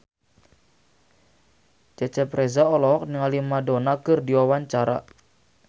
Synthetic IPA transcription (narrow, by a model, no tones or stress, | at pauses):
t͡ʃɛt͡ʃɛpɾɛzaɔlɔk̚niŋalimadonakɨrdiwawaɲt͡ʃaɾa̰